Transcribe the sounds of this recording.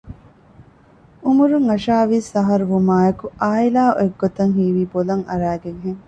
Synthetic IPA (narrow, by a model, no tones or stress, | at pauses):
umuɾuŋɐʃaːʋiːsɐɦɐɾuʋumaːɐkuaːilaːo̰eɡːot̪ɐŋɦiːʋiːbolɐŋɐ̰ɾæːɡeŋɦeŋ